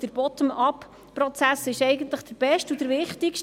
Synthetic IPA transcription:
d̥əɾb̥ɔt̪əmɑp | pɾɔt͡sæsɪʃɛɪɡənt̪ləχd̥əb̥ɛʃtud̥əɾʋɪχtikʃt

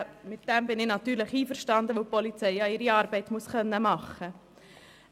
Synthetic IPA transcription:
mɪt̚d̥ɛmbɪnɪnɑt̪yːɾlɪχiːfəɾʃtɑndəʋopɔlit͡sɛɪɑɪɾiɑːɾbɛɪtmuəsχœnːəmɑχə

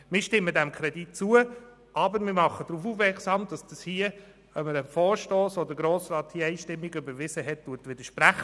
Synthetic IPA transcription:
mɪːʃtɪmːədɛmkʰɾɛdit̚t͡suə | ʔɑbəɾmɪːmɑχədɾufufmɛksɑːmdɑsd̥ɑshiə | ɛməɾəfɔːɾʃtoːsodəɡɾoːsɾɑːthiəæiːʃtɪmːiɡʏbəɾʋɪzəɦɛt̚tuətʋɪd̥əʃpɾæχ

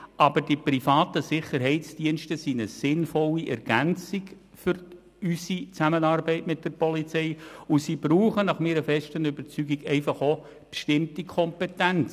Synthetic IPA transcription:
ʔɑbəɾdipɾifɑːtəsɪχəɾɦɛɪtt͡sd̥iənʃtəsinəsɪnfɔliʔɛɾɡ̥ænt͡siɡ | fʏɾ | ysit͡sæmənɑrbɛɪtmɪt̚d̥əɾpɔlit͡sɛɪusib̥ɾuːχənɑχmɪːɾəfɛʃtənʏbəɾt͡syɡiɡɛɪfɑχo | b̥əʃtɪmtikʰɔmpɛtænt͡s

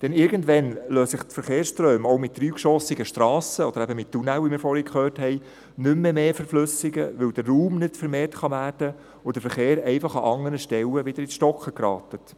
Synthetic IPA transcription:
d̥ɛnɪɾɡəndʋɛnløːsɪχtfəɾχeːɾsʃtrœːmowmɪt̚d̥ryːkʃɔsɪɡəʃtɾɑːsəɔd̥̪əɾæbəmɪttːunɛlʋimɪːɾfɔːɾhikχøːrthɛɪ | nʏmːəmeːfəɾflʉsɪɡə̰ʋɪld̥əːuːmnɪtfəɾmeːrtχɑʋæːrd̥ə | ʊd̥əfəɾχeːɾɛɪfɑχɑʔɑŋːənəʃtɛləʋɪd̥əɾɪʃtɔkχəkɾɑ̰ːtət

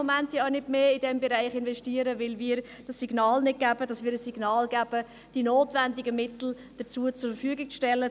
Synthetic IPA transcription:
omɛntjɑanɪtmeːidɛmbeɾaɪχɪnvɛsʃtiːəɾəvɪlmiːəɾ | d̥ɑsːiɡnɑːlnɪt̚ɡ̥æbədɑsmiːɾəsːiɡnɑːlɡæːb̥ə | d̥inoːtvɛndɪɡəmɪtl̩ | d̥ət͡suːət͡sʊɾfəɾfyːɡɪk̚t͡sʃtɛlə

